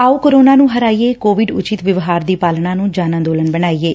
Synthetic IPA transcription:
aːuːkoɾoːnaːnũːɦəɾaːiːeːkoːʋɪɖʊt͡ʃɪt̪ʋəʋɦaːɾd̪iːpaːlnãːnũːd͡ʒaːnãːd̪oːləɳbəɳaːiːeː

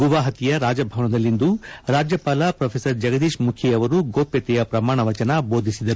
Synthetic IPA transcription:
ɡuʋaːɦɐt̪ijɐɾaːd͡ʒɐbʱɐʋɐɳɐd̪ɐlːind̪uɾaːd͡ʒjɐpaːlɐpɾɐpʰeːsɐɾd͡ʒɐɡɐd̪iːʂmukʰjɛɐʋɐɾuɡoːpjɐt̪ɛjɐpɾɐmaːɳɐʋɐt͡ʃɐnɐbo̞ːd̪ʱisid̪ɐɾu

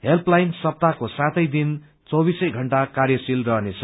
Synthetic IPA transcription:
ɦelplajnsʌp̚t̪akosãt̪ʌjd̪in | t͡sʌbisʌjɡʱʌɳʈakarjʌsilrʌɦnet͡sʰʌ̥

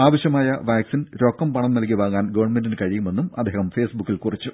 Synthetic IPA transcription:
aːʋɐɕjɐmaːjɐʋaːksinɾoːkːɐmpɐɳɐmnɐlk̬ːiʋaːɣaːnɡɐːʋɐrɳmendinɨkɐɻijume̞nːumɐ̰d̪ʱːiːhɐmfeːsbukːilkurit͡ɕːu

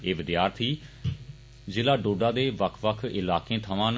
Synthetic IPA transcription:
eːʋɪd̪jaːɾt̪ʰiː | d͡ʒeːlaːɖoːɖaːd̪eːʋəkʰʋəkʰɪlaːkẽːt̪ʰəʋãːn

